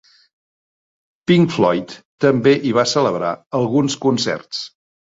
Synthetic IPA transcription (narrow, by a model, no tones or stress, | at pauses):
piŋflɔjt̪ː | əmbeʔiβ̞asələβ̞ɾaəlˠɣunskunsɛ̰rs